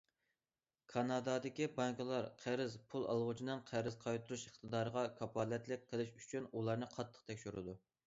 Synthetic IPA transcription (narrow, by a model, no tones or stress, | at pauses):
kʰɑnɑd̪ɑd̪ɪkʲibɑŋklˠɑɾqʰæɾɪzpʰulˠɑ̰lˠʁʊt͡ʃʰinɨnqʰæɾɪzqʰɑjt̪uɾuʃəχt̪ʰəd̪ɑːɾəʁɑkʰɑpʰɑːlɛt̪lɪk̚ʲqʰːəlˠɪʃyt͡ʃʰynulˠɑɾnɨqʰɑt̪ʰːə̥qt̪ʰɛkʲʃyɾɨ̰d̪u